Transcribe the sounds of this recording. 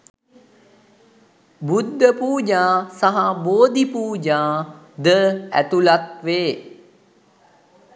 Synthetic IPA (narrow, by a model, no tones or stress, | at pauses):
bud̪ʱːəpuːd͡ʒaːsaɦaboːd̪ʱipuːd͡ʒaː | d̪əæ̰t̪ulat̪ʋeː